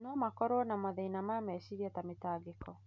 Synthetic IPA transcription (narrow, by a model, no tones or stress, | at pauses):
nɔmakɔɾwɔnamaðɛinamaamɛʃiɾiɛtametaːɡekɔ